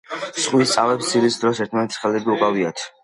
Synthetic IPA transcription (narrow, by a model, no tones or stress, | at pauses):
sχʼwist̪sʼavɛpst̪siɾisd̪ɾɔsɛɾt̪ʰmanɛt̪ʰsχɛlɛɡiukʼaviat̪ʰ